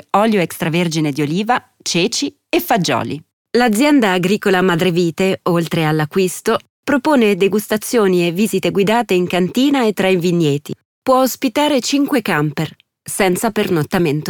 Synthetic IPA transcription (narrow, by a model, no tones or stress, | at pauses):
ɔljoɛkst̪ɾaverd͡ʒined̪ioliːva | t͡ʃeːt͡ʃi | efad͡ʒɔ̰ːlḭ | lad̪zːjɛnd̪aːɡɾiːkolamad̪ɾeviːt̪eolt̪ɾealːakːwist̪o | pɾopoːned̪eɡust̪at̪sːjoːnievːiːzit̪eɡwid̪aːt̪eiŋkant̪iːnaet̪ːɾaiɱvinːjeːt̪i | pwɔospit̪aːɾet͡ʃiŋkwekamper | sɛnt̪sapernot̪ːament̪o